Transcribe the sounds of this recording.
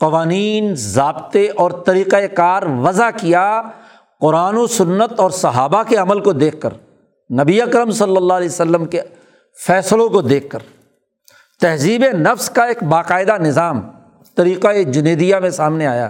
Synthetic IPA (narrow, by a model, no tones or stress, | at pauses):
qɐʋaːniːnzaːbt̪eʔɔːɾt̪ɐɾiːqaekaːɾʋɐzakija | qʊɾaːnosʊnːət̪ɔːɾsɐɦaːbakeɐməlkod̪eːkʰːə̰ɾ | nɐbiɐkɾəmsɐlːəlːaːlɛːsəlːəmke | fɛːslõkod̪eːkʰːəɾ | t̪ɛɦziːbenɐfskaeːkbaːqaːɪd̪anɪzaːm | t̪ɐɾiːqaed͡ʒɪneːd̪ijamẽsaːmneaːja̰ː